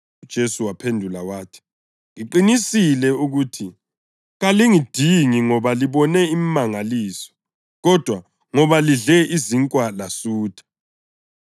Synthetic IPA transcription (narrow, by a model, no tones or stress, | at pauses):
d̥ʒ̥ʱesuwapʰendʱulawaːtʰi̥ | ŋiǃinisilɛuɣuːtʰi | ɣaliŋid̥ʱiŋiŋɔβaliβɔnɛimmaŋaliːsɔ̥ | ɣɔd̥ʱwa | ŋɔβaliɮɛʔiziŋkʼwalasuːd̥ʰʼḁ